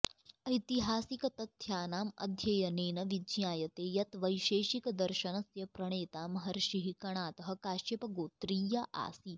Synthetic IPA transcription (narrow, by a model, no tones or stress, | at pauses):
ɐjt̪iɦaːsikɐt̪ɐt̪ʰjaːnaːmɐ̰d̪ʱjɐjɐneːnɐʋid͡ʒjaːjɐt̪eːjɐt̪ʋɐjʃeːʃikd̪ɐɾʃɐnɐsjɐpɾɐɳ̃eːt̪aːmɦɐɾʃiɦikɐɳ̃aːt̪ɐɦɐ̆kaːʃepɐɡoːt̪ɾiːjɐʔa̰ːsiː